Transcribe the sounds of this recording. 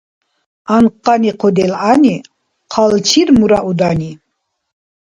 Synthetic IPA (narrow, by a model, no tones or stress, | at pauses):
anqʼːaniqʰɔd̪ɛlʕani | qʰalt͡ʃʰiɾmuɾaʔud̪ani